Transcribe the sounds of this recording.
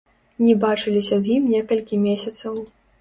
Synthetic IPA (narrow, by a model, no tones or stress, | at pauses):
nʲɛbat͡ʂɨlʲisʲɐzʲjimnʲɛkɐlʲkʲimʲesʲɐt̪sɐw